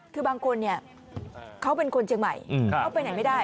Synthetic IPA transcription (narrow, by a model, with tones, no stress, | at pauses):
kʰɯː˧baː˧ŋkʰo˧nːi˥˩ɐ | kʰa˦˥wpe˧nkʰo˧nt͡ɕʰi˧ŋma̰˨˩jʰwpa˧jna˨˦jma˥˩jdaː˥˩